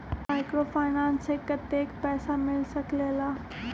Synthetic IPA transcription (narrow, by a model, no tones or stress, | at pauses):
maɪkɾofaɪnãnsekːət̪ekpɛːsamɪlsəklela